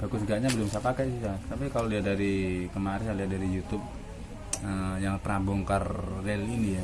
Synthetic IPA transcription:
b̥aɡʊsɡaʔɲabəlʊmsapakasisat̪apikaloliat̪̚daɾikəmaɾisaliat̪̚daɾijut̪ʊb̚ | əjaŋpəɾabʊŋkarːɛlinija

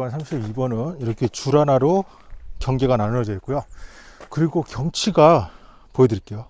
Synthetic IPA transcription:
ansʰamɕʰibibʌnɯniɾʌkʰe̞t͡ɕuɾanaɾo | kjʌŋɡe̞ɡananɯʌd͡ʑʌit̚k͈ojo | kɯɾiɡokjʌŋt͡ɕʰiɡa | poedɯɾik͈e̞jo

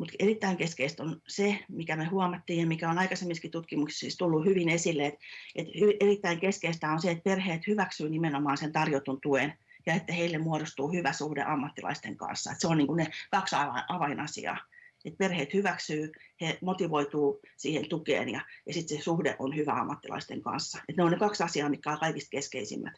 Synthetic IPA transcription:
mut̪erit̪ːæiŋkeskeist̪onsemikæmehuɑmɑt̪ːiːjjɑmikæonɑikɑsemːiskit̪ut̪kimuksi̥sist̪ulːuhyʋinesilːeet̪ʔet̪yerit̪ːæiŋkeskeist̪æonseet̪̚perheːt̪hyʋæksyːnimenomɑːnsent̪ɑrjot̪unt̪uen | jɑet̪ːæheilːemmuoɾost̪uːhyʋæsuhdḛʔɑmːɑt̪ːilɑ̰ist̪eŋkɑ̰nsːɑ̰et̪seonniːŋkunekɑksɑʋɑʔɑʋɑinʔɑsḭɑ̰ːet̪̚perheːt̪hyʋæksyːhemot̪iʋoit̪uːsiːhent̪ukḛːnjɑjɑsit̪sesuhdḛʔonhyʋæ̰ɑ̰mːɑt̪ːilɑ̰ist̪eŋkɑ̰nsːɑet̪neonnekɑksɑsiɑːmit̪kːæolkɑikist̪̚keskeisḭmːæ̰t̪

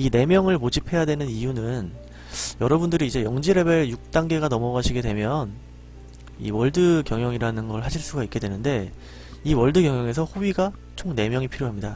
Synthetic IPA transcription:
ine̞mjʌŋɯɭpod͡ʑipʰe̞jadwe̞nɯnijunɯn | jʌɾʌbundɯɾiːd͡ʑe̞jʌŋd͡ʑiɾe̞beɾjuk̚t͈aŋɡe̞ɡanʌmʌɡaɕʰiɡe̞dwe̞mjʌn | ḭwʌɭdɯkjʌŋjʌŋiɾanɯnɡʌɭɦaɕʰiɭs͈uɡaik͈e̞dwe̞nɯnde̞ | iwʌɭdɯɡjʌŋjʌŋe̞s̬ʰʌhoɥiɡa | t͡ɕʰoŋne̞mjʌŋipʰiɾjoɦamɲida

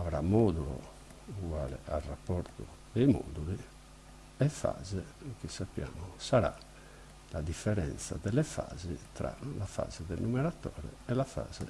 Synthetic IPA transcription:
avɾamːɔːd̪ulo̰ | uɣwaːlɛarːapːɔɾt̪o | d̪ɛjmɔ̰ːd̪uli | ɛfa̰ːzɛk̟isapːjaːmosaɾa̰ | lad̪ifːɛɾɛnt̪sad̪ɛlɛfaːzit̪ɾa̰lafa̰ːzɛd̪ɛnːumɛɾat̪ːɔːɾɛ̰ɛlafa̰ːz̥ɛ

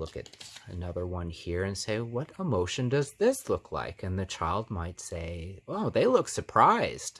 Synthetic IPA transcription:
lʊkɨ̰ɾɨnʌðə˞wʌ̃nhiɹɨ̃nseɪwʌɾəmoʊʃɨ̃ndʌzðɪslʊkʰla̰ɪkɨ̃nðɨt͡ʃʰaɪlˠd̚maɪtseɪoʊðeɪlʊksə˞pʰɹ̥aɪz̥d̥

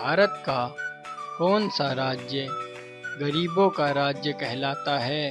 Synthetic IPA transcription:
bʱaːɾət̪ka | kɔːnsaɾaːd͡ʒjə | ɡɐɾiːbõkaɾaːd͡ʒjəkɛɦlaːt̪aɦɛː

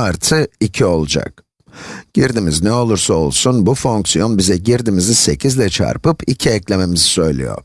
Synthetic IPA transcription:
aɾt̪ʰɯicʰio̞lˠud͡ʒa̰k̚ | ɟ̥iɾd̪imiznɛo̞lˠuɾsao̞̰lˠsunbufo̞ŋksijo̞nbizɛɟiɾd̪imizise̞cʰizlʲɛt͡ʃʰa̰ɾpɯpʰicʰiɛclʲe̞me̞mizisø̞jlʲḭjo̰ɾ

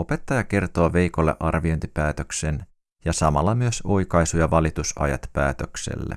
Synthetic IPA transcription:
o̞pe̞t̪ːɑjɑke̞rt̪oɑʋe̞jko̞lːeʔɑrʋio̞jnt̪ipæːt̪ø̞ksen | jɑsɑmɑlːɑmyø̞so̞jkɑjsujɑʋɑlit̪usɑ̰jɑ̰t̪pæːt̪øksḛlːḛ

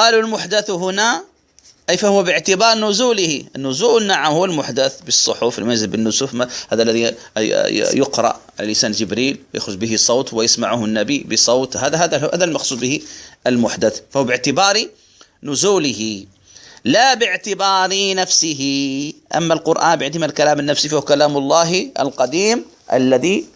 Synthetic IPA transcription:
qɑːlulmʊħd̪aθɦʊna | ʔajfahʊwːabɪʕt̪ɪbɑːɾˤnʊzuːlɪhiʔnːʊzuːʔɪnːaʕamhʊwːalmʊħd̪aθbɨsˤːʊħʊflmjzɪlbɪnːʊsuːfmhaːðalːaði | jʊqɾˤɑ̰ʔʕa̰lalʔɪsaːnd͡ʒɪbɾiːlwja̰xɾʊd͡ʒbɪɦɪsˤoːt̪wɪjɪsmaʕʊhʊnːabibɪsˤɑːt̪haːdɦaːðaha̰ːðalmɑxsˤuːd̪bɪhiʔɪlmʊħd̪aθfaʊwbɪʕt̪ɪbɑːɾi | nʊzuːlɪɦɪ | labɪʕt̪ɪbɑːɾinafsɪɦɪʔa̰mːalqʊɾʔa̰ːnbjɪʕt̪ɪmalkalaːmɪnːafsifahukalaːmɑlˤːɑːɦa̰lqɑd̪iːm | ʔa̰lːaði

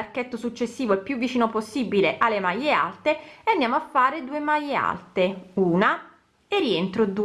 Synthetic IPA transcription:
arket̪ːosut͡ʃːesːiːvoilpjuvːit͡ʃiːnoposːibileʔalːemajːea̰lt̪eand̪jaːmoafːaːɾed̪uːemajːea̰lt̪euːna | erːient̪ɾod̪u

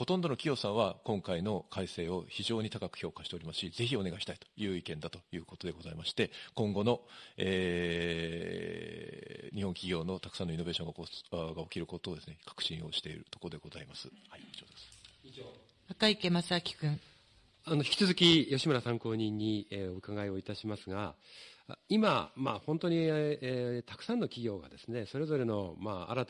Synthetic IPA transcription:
ho̞t̪õnd̪o̞no̞kʲijo̞ːsãɰ̃βakõ̞ŋkaino̞kaise̞ːo̞çiʑo̞ːɲ̟it̪akakɯ̥çʲo̞ːkaɕi̥t̪e̞o̞ɾimasɨ̥ɕize̞çio̞ne̞ɡaiɕi̥t̪ait̪o̥jɯ̟ːikẽ̞nd̪at̪o̞jɯ̟ːkot̪o̞d̪e̞ɡo̞zaimaɕi̥t̪e̞kõ̞ŋɡo̞no̞eː | ɲ̟ihõ̞ŋkʲiɡʲo̞ːno̞t̪akɯ̥sãnːo̞inobe̞ːɕõ̞ŋɡaoɡao̞kʲiɾɯ̟ko̞t̪o̞ːd̪e̞sɨnekʰḁkɯ̟̥ɕĩo̞ɕi̥t̪e̞ḭɾɯ̟t̪o̞koɾod̪e̞ɡo̞za̰imasɨ̥hait͡ɕoːd̪esɨ̥ioː | akaikemasakʲi̥kɯ̟̃ŋ | ano̞çi̥kʲi̥t͡sɨzɨkʲijo̞ɕimaɾasãŋko̞ːɲ̟ĩɲ̟ːieɯ̟kaɡaio̞it̪aɕimasɨɡa | imamahõ̞nt̪o̞ɲ̟i | t̪ḁkɯ̟̥sãnːo̞kʲiɡʲo̞ːɡa̰d̪e̞sɨne̞so̞ɾe̞zo̞ɾe̞no̞maa̰ɾat̪

